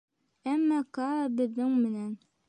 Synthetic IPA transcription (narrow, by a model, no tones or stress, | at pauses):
æmːækɑbɘ̆ðːɘŋmɘ̆næn